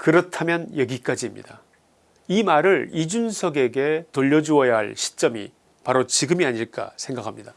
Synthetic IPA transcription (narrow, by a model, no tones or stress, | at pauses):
kɯɾʌtʰamjʌnjʌɡik͈ad͡ʑimɲḭda | imaɾɯɭid͡ʑunsʰʌɡe̞ɡe̞toʎːʌd͡ʑuʌjaɦa̰ɭɕʰi̥t͡ɕ͈ʌmḭ | paɾot͡ɕiɡɯmiaɲiɭk͈a̰sʰeŋɡakʰamɲida